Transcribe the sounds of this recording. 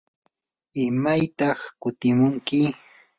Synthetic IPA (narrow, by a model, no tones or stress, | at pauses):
ɪmajt̪ɑχkʊt̪ɪmʊŋkɪ